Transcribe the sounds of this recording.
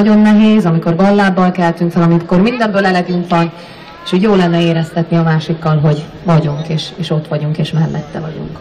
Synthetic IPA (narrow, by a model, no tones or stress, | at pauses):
ɒɟo̞nːɛɦeːzɒmiko̞rbɒlːaːbːɒlkɛlt̪yŋkfɛlɒmikormind̪ɛmbøːlɛlɛd̪unt̪ɒŋ | eʃuːɟjoːlɛnːɛeːɾɛst̪ɛt̪niɒmaːʃikːɒlɦo̞ɟ | vɒɟuŋkeːʃeːʃo̞t̪ʋɒɟuŋkeːʃmɛlːɛ̰t̪ːɛvɒɟṵŋk